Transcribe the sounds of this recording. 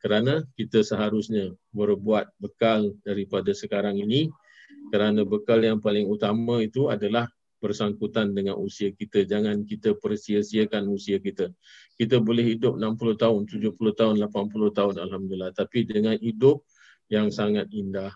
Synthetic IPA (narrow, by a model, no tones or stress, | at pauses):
kəɾanə̃kit̪əsəɦaɾʊsɲə̃bərbuat̪̚bəkaldaɾipadasəkaɾaŋini | kəɾanə̃bəkaljaŋpalɪŋut̪aməit̪ua̰dalah | b̥ərsaŋkut̪andəŋã̰nʔusiəkit̪əd͡ʒaŋãnkit̪əpərsiəsiəkanusiəkit̪ə | kit̪əbolɛhidʊp̚nãmpulʊht̪aʊnt̪ud͡ʒʊhpulʊht̪aʊnlapanpulʊht̪aʊnalɦamdulilːaht̪apidəŋãnidʊp̚ | jaŋsaŋat̪̚indah